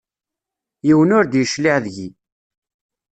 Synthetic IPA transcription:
jiwənʊɾd̪jəʃliʕðʝi

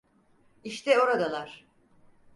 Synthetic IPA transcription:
iʃt̪ʰɛo̞ɾad̪alˠaɾ̥

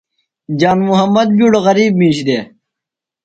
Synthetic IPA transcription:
d͡ʑaːnmuɦɐmːɐd̪̚buɽoɣɐɾiːbmĩːɕd̪eː

